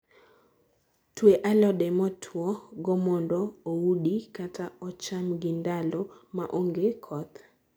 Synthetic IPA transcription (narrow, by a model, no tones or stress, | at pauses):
tweʔalɔɗɛmɔtʰwɔɡɔmɔndɔowudikatʰaɔt͡ʃamɡɪndalɔma̰ʔoŋɡekʰɔt̪